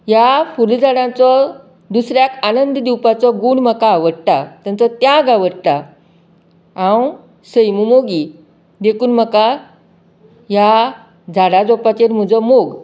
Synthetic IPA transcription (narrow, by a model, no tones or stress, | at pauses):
jafuld͡zaɽãt͡sɔ | d̪usɾjakanənd̪d̪iwpat͡sɔɡuɳməkaʋəɽʈat̪jãnt͡sɔt̪jaɡaʋəɽʈ̪a | ãw | səjmumoɡi | d̪ekʰuːnməka | ja | d͡zʱaɽad͡zɔpat͡ɕeɾm̤ud͡zɔmoɡ